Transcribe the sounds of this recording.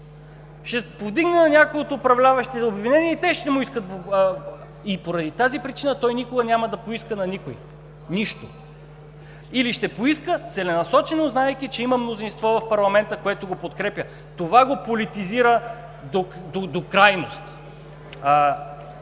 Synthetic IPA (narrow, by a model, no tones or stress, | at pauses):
ʃɛpovd̪iɡnɛnɐnʲakojot̪ːpɾɐvlʲavɐʃt̪iobvinɛniɛit̪ɛʃt̪ɛmuiskət̪v | ipoɾɐd̪it̪azipɾit͡ʃinət̪ɔjnikoɡɐnʲamɐd̪ɐpoiskənɐnikoji | niʃt̪o̰ | iliʃt̪ɛpoiskət̪sɛlɛnɐsɔt͡ʃɛnoznaɛkʲit͡ʃɛiməmnozinst̪vɔvɐfpɐɾlˠɐmɛnt̪əkoɛt̪oɡopot̪kɾɛpʲə | t̪ovaɡopolit̪iziɾə | d̪od̪od̪okɾajnost̪ː